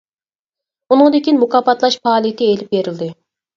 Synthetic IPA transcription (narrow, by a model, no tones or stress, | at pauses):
unɨŋd̪ɪkʲinmukɑpɑt̪lˠɑʃpʰɑːlˠijɪt̪ʰɪelɪp̚beɾɪld̪ɪ